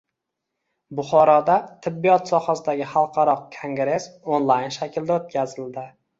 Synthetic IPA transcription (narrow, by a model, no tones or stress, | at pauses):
bʊχɒɾɒd̪at̪ʰɪbːijɒt̪sɒχasɪd̪aɡʲɪχɑlˠqʰɑɾɒqkʰoŋɡɾe̞sonlˠajnʃakʲʰɪld̪aot̪̚kʲʰazɪld̪ɪ